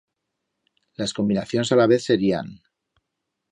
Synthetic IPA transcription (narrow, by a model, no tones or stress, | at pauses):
laskombinaθjonesalaβ̞eθseɾia̰n